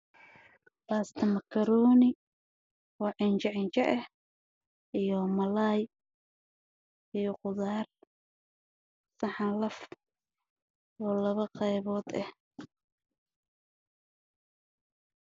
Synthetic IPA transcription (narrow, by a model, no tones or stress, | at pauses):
baːst̪ʰɐmɐkʰɐɾuːnɪ | wɑʕɪnt͡ʃɐʕɪnt͡ʃɐʔɛh | ʔijɔmɐlaj | ijɔqʊðaːr | sɑħɑlɐf | ɔːlɐβɐqɑjβɔːd̪ɛh